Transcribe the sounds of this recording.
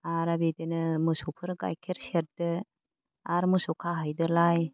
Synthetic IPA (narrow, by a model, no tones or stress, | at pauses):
aɾabidenɯmɯsupʰɯɾɡa̰jkʰeɾseɾ̚dɯ | aɾmɯsukʰaɦajdɯlaj